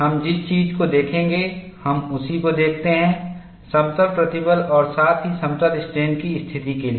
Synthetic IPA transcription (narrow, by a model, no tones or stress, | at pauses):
ɦɐmd͡ʒɪst͡ʃiːd͡ʒkod̪eːkʰẽːŋɡe | hɐmʊsikod̪eːkʰt̪eɦɛ̃ | sɐ̃mt̪əɾpɾɐt̪ɪbəlɔːɾsaːt̪ʰɦisɐ̃mt̪əlɪsʈɾeːnkist̪ʰɪt̪ikeli